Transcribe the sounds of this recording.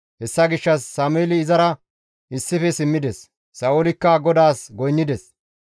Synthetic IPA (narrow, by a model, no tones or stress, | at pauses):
hɛsːɐɡɪʃːɐsːaːmʊeːlɪːzɐɾɐ | ɪsːɪfɛsɪmːɪd̪ɛsː | ɐːolɪkːɐɡɔd̪aːsɡɔjnːɪd̪ɛs